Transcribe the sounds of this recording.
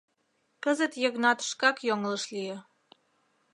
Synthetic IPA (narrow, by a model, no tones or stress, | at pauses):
kəzət̪jəɣnɑt̪ə̥ʃkɑkjoŋələʃlijĕ